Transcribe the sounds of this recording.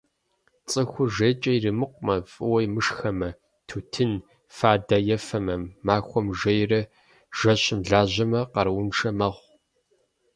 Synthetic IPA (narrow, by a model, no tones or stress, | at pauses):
t͡sʼɨxʷʊʒeːt͡ʃʼɐjirɨmɨqʷmɐfʼɨwɐjmɨʂxɐmɐ | tʰuːtʰɨn | faːdajɛfɐmɐmːaːxʷɔmʒɐjrɐ | ʒ̥ɐɕʼɪmɮaːʑɐmɐqɐɾwʊnʂɐmɐʁʷ